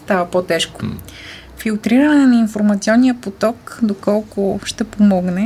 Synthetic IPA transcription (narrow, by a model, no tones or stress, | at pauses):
st̪avɐpot̪ɛʃkʊ̥ | filˠt̪ɾiɾənɛnɐinfoɾmɐt̪siɔnːijəpot̪ɔkd̪okɔlˠkʊʃt̪ɛpomɔɡnɛ